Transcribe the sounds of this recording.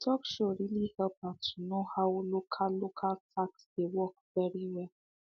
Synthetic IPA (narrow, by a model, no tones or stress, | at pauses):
tʰɔkʃoɹilihɛlpatʰunohawlokʰalokʰaltʰaksdewɔk̚vɛɹiwɛl